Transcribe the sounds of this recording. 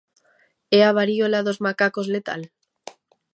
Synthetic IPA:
eaβaɾiolaðozmakako̞zlet̪a̰l

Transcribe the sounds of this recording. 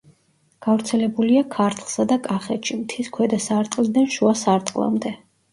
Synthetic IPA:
ɡ̥avɾt̪sʰɛlɛbuliakʰaɾt̪ʰlˠsad̪akʼaχɛt̪ʃimt̪ʰiskʰwɛd̪asaɾt̪ʼqʼlˠid̪anʃuasaɾt̪ʼqʼlˠa̰md̪ɛ

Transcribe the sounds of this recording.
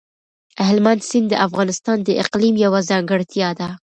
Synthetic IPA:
aɦɪlmand̪sɪnd̪əʔafɣɑnɪst̪ɑnd̪əʔɪqlimjawazɑŋɡəɽt̪jad̪a

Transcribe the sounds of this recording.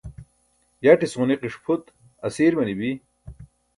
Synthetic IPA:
jaʈisʁuniqiʂpʰut̪ | ɐsiːɾmɐnibi

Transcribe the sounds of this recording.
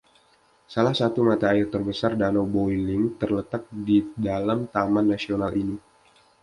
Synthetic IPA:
salahsat̪umat̪aːɪrt̪ərbəsardanobojlɪŋt̪ərlət̪ak̚didalamt̪amanːasionalʔini

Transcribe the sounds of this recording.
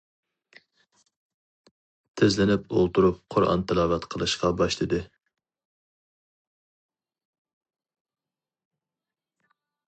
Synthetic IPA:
t̪ʰɪzlɪnɪpolˠt̪uɾup̚qʰʊɾɑ̰nt̪ʰɪlˠɑːvɛt̪qʰəlˠɨʃqɑbɑʃlˠɨd̪ɨ

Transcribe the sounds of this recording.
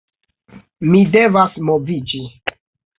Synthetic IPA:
mide̞vasmovid͡ʒi

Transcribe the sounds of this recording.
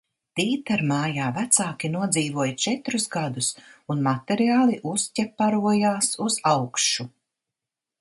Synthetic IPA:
t̪iːt̪aɾmaːjaːvæt̪saːkʲinuɔd̪ziːvuɔjt͡ʃɛt̪ɾusɡad̪usunmat̪ɛɾiaːlˠiʔuscʲɛpːaɾuɔjaːsuzawkʃu

